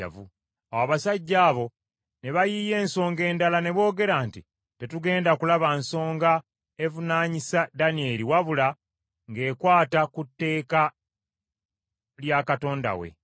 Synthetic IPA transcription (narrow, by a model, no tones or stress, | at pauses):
a̰vṵ | awaβasaɟːaːβo̞ | ne̞βajiːje̞ːnso̞ːŋɡe̞ːndalane̞βo̞ːɡe̞ɾaːnti | te̞tuɡe̞ːndakulaβanso̞ːŋɡa | e̞vunaːɲisadanie̞liwaβula | ŋɡe̞ːkwaːtakutːe̞ːka | ljakato̞ːnda̰we̞̰